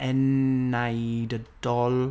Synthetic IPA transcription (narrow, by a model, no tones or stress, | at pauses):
ɛnːajdəd̥ɔl